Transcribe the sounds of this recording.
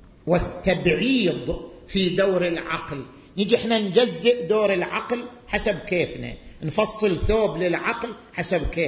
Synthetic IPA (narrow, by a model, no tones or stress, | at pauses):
wɪt̪ːabʕiːd̪ˤ | fid̪aːɾɪlʕɑ̰ql | nid͡ʒiʔɪħnand͡ʒazːɪʔd̪oːɾɪlʕɑqlħasabkeːfna̰nfɑsˤːɨlθoːblɪlʕɑql | ħasab̚keː